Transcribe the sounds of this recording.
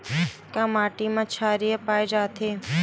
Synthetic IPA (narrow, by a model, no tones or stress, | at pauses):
kamaʈimãt͡ʃʰaɾijəpajd͡ʒat̪ʰe